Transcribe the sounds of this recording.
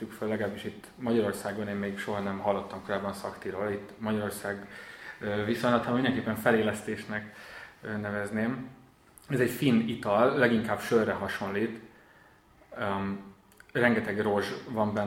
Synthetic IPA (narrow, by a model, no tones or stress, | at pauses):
ykfølːɛɡɛlabːiʃit̪ː | mɒɟɒɾo̞rsaːɡoneːmmejkʃo̞ɦɒnɛmɦɒlːo̞t̪ːɒmko̞ɾaːbːɒnsɒkt̪iɾoːlit̪ːmɒɟɒɾo̞rsaːɡ | visoɲlɒt̪aːminɛŋkeːpːɛɱfɛleːlɛst̪eːʃnɛkː | nɛvɛzneːm | ɛzɛɟfinit̪ɒlːɛɡiŋkaːbʃørːɛɦɒʃo̞nliːt̪ | rɛŋɡɛt̪ɛɡro̞ʒvɒmbɛn